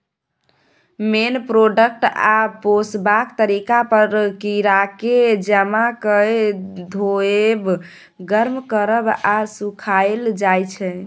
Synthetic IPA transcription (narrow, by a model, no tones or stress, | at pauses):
menpɾoɖək̚ʈaposbakt̪əɾikapəɾkiɾaked͡ʒəmakəd̪ʱoeb | ɡəɾmkəɾəbasukʰaeld͡ʒajt͡ʃʰɛ